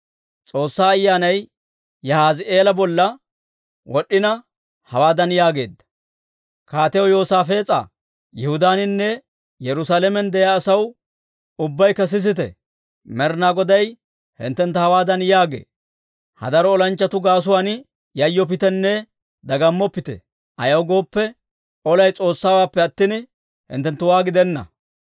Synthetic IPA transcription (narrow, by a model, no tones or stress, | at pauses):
t͡sʼo̞ːsːaːɐjːaːnɐj | jɐhaːzɪe̞ːlɐbɔlːɐ | wʔɔɗːɪnɐ | hɐwaːd̪ɐnjaːɡe̞ːd̪ːɐ̥ | kaːt̪ɛɔjo̞ːsaːfeːt͡sʼa̰ | jɛhʊd̪aːnɪnːɛ | jɛɾʊsaːlɛmɛnd̪ɛjaːsɐw | ʊbːɐjkɐs̬ɪs̬ɪt̪ɛ̰ | mɛɾnaːɡɔd̪ɐj | hɪ̰nt̪ːɛnt̪ːɐhɐwaːd̪ɐnjaːɡḛː | hɐ̰d̪ɐɾɔːlɐnt͡ʃːɐt̪ʊɡaːs̬ʊwaːn | jɐjːɔp̬ɪt̪ɛnːɛ | d̪ɐɡɐmːɔpːɪt̪ɛ̰ | ʔɐjɐwɡo̞ːpːɛ | ɔlɐjt͡sʼo̞ːsːaːwaːpːɛɐt̪ːɪn | hɪ̰nt̪ːɛnt̪ːʊwaːɡɪd̪ɛnːɐ̰